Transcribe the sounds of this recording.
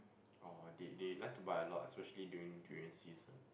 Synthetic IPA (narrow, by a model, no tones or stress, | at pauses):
ɔdedelaɪk̚tubaɪəlɔtɛspɛʃəliduĩŋduɛ̃nsizə̃n